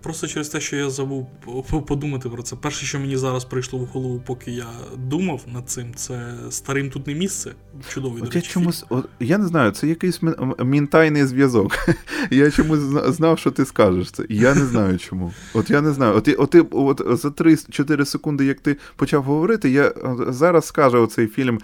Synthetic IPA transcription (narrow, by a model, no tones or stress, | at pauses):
pɾɔst̪ɔt͡ʃɛɾest̪ɛʃt͡ʃɔjazɐbuw | pɔd̪umɐt̪ɪpɾɔt̪sɛpɛrʃɛʃt͡ʃɔmenʲizɑɾɐspɾɪjʃlˠɔʊhɔlˠɔʋupɔkɪjad̪umɐwnɐd̪̚t̪sɪmt̪sɛst̪ɐɾɪmt̪ut̪nɛmʲist̪sɛ | t͡ʃʊd̪ɔʋiɔɾjat͡ʃɔmusʲɔt̪janɛznɑjʊt̪sɛjɐkɪjsʲmʲmʲint̪ɑjnɪjzʋʲjɐzɔkjat͡ʃɔmusʲznɑwʃt͡ʃɔt̪ɪskɑʒeʃt̪sɛ̰ʔijanɛznɑjʊt͡ʃɔmu | ɔt̪janɛznɑjʊɔt̪ʔɔt̪ːɪɔt̪zɐt̪ɾɪt͡ʃɔt̪ɪɾɪsekund̪ɪjɐkt̪ɪ | pɔt͡ʃɑwɦɔʋɔɾɪt̪ɪjazɑɾɐsskɑʒɛɔt̪sɛjfʲilʲm